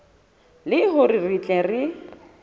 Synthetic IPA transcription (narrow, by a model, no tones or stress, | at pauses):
lɪɦʊririt͡ɬʼɛrɪ